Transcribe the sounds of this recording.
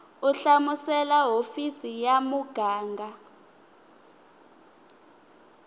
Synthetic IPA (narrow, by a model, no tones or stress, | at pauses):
uɬamusɛlaɦofisijamuɡ̥ʱaːŋɡʱa